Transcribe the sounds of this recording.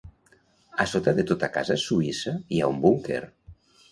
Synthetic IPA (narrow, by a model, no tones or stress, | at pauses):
asot̪aðet̪ot̪aka̰zasuisaiaumbuŋkḛr